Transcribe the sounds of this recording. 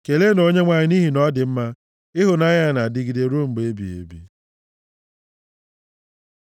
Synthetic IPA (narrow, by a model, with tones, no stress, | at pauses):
ke˨le˦no˦ɲe˦ŋʷa˨ɲɪ˦ni˦ɦi˨nɔ˦dɪ˨m̩˦ma˦ | ɪ˦ɦʊ˨na˦ɲ˦a˦˨na˨dɪ˦ɡi˨de˨ɾo˦˨m̩˨ɡ͡be˦bḭ˨ḛ˨bḭ˦